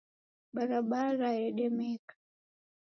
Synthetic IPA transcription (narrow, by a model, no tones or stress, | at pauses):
ɓaɾaɓaɾajɛɗɛmɛkḁ